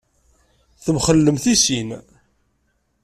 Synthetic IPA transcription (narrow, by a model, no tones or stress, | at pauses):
θəmχəlːəmθisin